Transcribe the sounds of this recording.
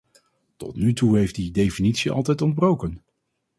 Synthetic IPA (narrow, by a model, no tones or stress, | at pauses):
tɔtnytuɦejftdidejfinitsiʔɑ̰lˠtɛjtɔnd̚browkən